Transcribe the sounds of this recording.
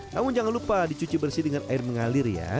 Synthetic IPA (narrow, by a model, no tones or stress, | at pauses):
kamʊnd͡ʒaŋanlupadit͡ʃut͡ʃibərsidəŋanaɪrməŋalɪrja̰